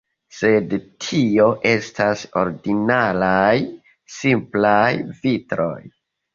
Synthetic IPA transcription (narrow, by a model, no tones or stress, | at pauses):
se̞dtʰio̞ʔe̞staso̞̰ɾdinalaj | simplajvitɾo̞̰j